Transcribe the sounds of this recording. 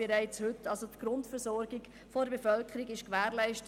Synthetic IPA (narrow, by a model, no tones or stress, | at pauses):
eɾæɪt͡shʏtːɑlsotɡ̥ɾʊntfəɾsɔɾɡiɡ | foɾbefœlkʰəɾiɡɪʃkʋæːɾlæɪʃtə